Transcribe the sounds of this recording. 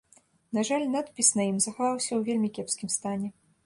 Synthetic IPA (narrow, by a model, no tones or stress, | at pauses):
nɐʐalʲnat̪pʲisnɐjimzɐxavawsʲɐwvʲelʲmʲikʲɛpskʲimst̪anʲɛ